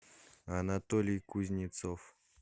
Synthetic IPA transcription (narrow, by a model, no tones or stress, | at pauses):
ɐnat̪olʲɪjkuzʲnʲɪt̪sof